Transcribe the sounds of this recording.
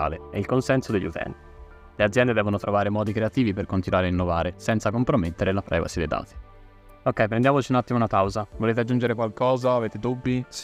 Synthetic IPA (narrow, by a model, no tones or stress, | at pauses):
a̰ːleɛilkonsɛnsod̪eʎːṵt̪ʰɛ̰nt̪i | lead̪zjɛnd̪ed̪ɛːvonot̪ɾovaːɾemɔːd̪ikɾeat̪iːviperkont̪inwaːɾeainːovaːɾesɛnt̪sakompɾomet̪ːeɾelapɾɛ̰va̰sid̪ejd̪a̰ːt̪i̥ | okːɛjpɾend̪jaːmot͡ʃiunat̪ːimounapawzavoleːt̪ead͡ʒːund͡ʒeɾekwalkɔːzaːveːt̪ed̪ubːis